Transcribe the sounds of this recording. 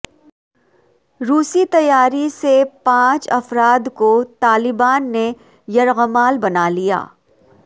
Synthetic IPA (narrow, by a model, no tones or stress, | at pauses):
ɾuːsit̪ɐjaːɾisepãːt͡ʃɐfɾaːd̪kot̪aːlɪbaːnːe | jɐɾɣəmaːlbɐnaːlija̰ː